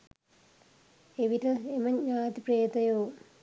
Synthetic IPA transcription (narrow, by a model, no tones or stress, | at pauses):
eʋitɐemɐɲɲaːt̪ipreːt̪ɐjoː